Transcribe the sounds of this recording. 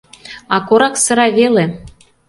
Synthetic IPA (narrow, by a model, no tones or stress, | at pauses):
ɑkoɾɑksɤ̆ɾɑβele